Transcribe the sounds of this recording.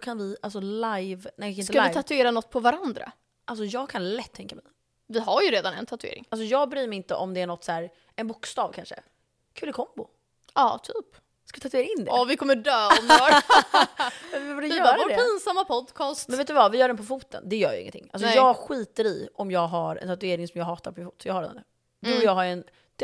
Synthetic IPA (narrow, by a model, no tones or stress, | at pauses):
kʰanvɪʔals̬ɔlajvnɛɪkːɪnskaaɪt̪ʰat̪ɵeːɾanɔt̪̚ːpʰɔvaɾand̪ɾa̰ | ʔals̬ɔjɑːɡ̚kʰanlɛt̪ʰːɛŋkːamɛj | vɪɦaɾjɵɾeːd̪anɛ̰nt̪ʰat̪ɵḛːɾɪ̰ŋals̬ɔjɑːɡ̚bɾyːmɛɾɪnt̪əʔɔmd̪ɛæɳɔt̪ːsæːɾ | ɛnbʊkst̪ɑːvkʰanʂə̰ | kʰʉlkʰɔmbʊ | ɑːt̪ʰyːp | skavɪt̪ʰat̪ɵeːɾaɪnːd̪ɛvɪkʰɔmːəɖœːɔmː | ɛɛvad̪ɛjœːɾad̪ɛpʰiːnsamːapʰɔd̪kʰɑːstmɛnveːt̪ʉvavɪjœːɖɛnpʰɔfuːt̪ə̰nd̪ɛjœːja̰ɪ̰ŋːə̰nt̪ʰɪ̰ŋːʔalsɔjɑːɡɧiːt̪əɾiʔɔmjɑːɡɦaɾɛ̰nt̪ʰat̪̬ɵeːɾɪŋsɔmjɑːɡɦɑːt̪aɾpʰɔmɪnuːt̪sɔjɑːɡhaɖɛ̰nd̪ɛ | d̪ʊjɑːɡɦaɾɛn